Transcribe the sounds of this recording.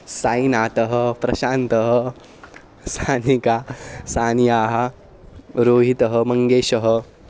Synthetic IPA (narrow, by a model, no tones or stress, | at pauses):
saːjnaːt̪ɐɦɐpɾɐʃaːnt̪ɐɦɐ | sʰaːnikaːsaːnjaːɦɐ̆ | ɾoːɦit̪ɐɦɐ̆mɐŋɡeːʃɐɦɐ